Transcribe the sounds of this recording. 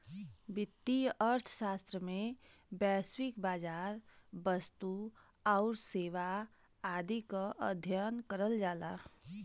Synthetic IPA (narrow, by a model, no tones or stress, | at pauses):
bɪt̪ːiəɾt̪ʰʃaːst̪ɾəmẽ | bɛːswɪkbaːd͡ʒaːɾbəst̪u | ɔʊɾseːʋa | aːd̪ikaʔəd̪ʱjənkəɾəld͡ʒaːlaː